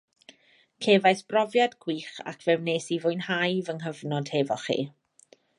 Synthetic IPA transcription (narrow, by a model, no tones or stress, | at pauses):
kʰeːvajθb̥rɔvjadɡ̥wiːχa̰kʰvɛwneːsivʊjnhajvənɦəvnɔd̥hɛvɔχḭː